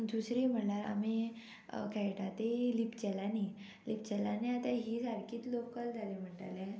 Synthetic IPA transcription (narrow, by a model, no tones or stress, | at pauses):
d̪usɾim̤əʈlaɾa̰mi | kʰajʈat̪elipt͡ɕɛlani | lip̚t͡ɕɛlaneat̪aɦiːsaɾkʰiːt̪lokːəld͡zʱalem̤əɳʈa̰lɛ